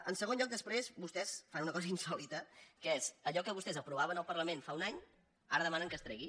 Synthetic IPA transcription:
ənsəɣ̞onʎɔk̚d̪əspɾezbust̪ɛsfanunəkɔzəinsɔlit̪əkəezəʎɔkəβust̪ɛzəpɾuβ̞aβənəlˠpərləmẽnfaunaɲ | aɾəðəmanəŋkəst̪ɾɛɣi

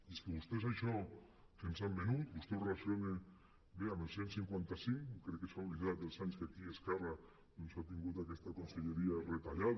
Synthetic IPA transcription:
eskeβust̪esaeʃo | kensammenut̪bust̪erasjone | beamelsjensiŋkwent̪asiŋkɾekesaliɣad̪elsaɲskeakieskara | d̪onsat̪iŋɡut̪akest̪akonseʎeɾiaret̪aʎað

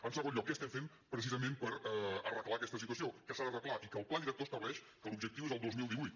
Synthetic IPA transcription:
ənsəɣonʎɔkːɛəst̪ɛɱfem | pɾəs̬izəmẽmpəɾɛərəklakɛst̪əsit̪uəs̬iokəsaðərəklˠaʔikəːlˠpland̪iɾək̚t̪ost̪əβlɛʃ | kəlubʒək̚t̪iwezəlˠd̪ozmilˠd̪iβujt̪

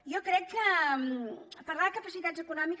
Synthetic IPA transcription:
jɔkɾɛkːəmpərɾlaðəkəpəsit̪add͡zzəkunɔmik

